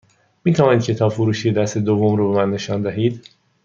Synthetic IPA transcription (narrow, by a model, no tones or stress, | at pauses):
miːt̪ʰævɒːnid̪̚cʰe̞t̪ʰɒːfoɾuːʃied̪æst̪ed̪ovːomɾoːbemænːe̞ʃɒːnd̪æɦiːd̪